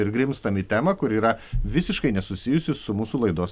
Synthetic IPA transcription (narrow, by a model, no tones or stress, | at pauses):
ɪɾɡɾʲɪmst̪ɐmʲiːt̪ʲæːmɐkʊɾiːɾɐʋʲɪsʲɪʃkɐɪnʲɛsʊsʲɪjʊsʲɪsʊmuːsuːlˠɐɪd̪oːs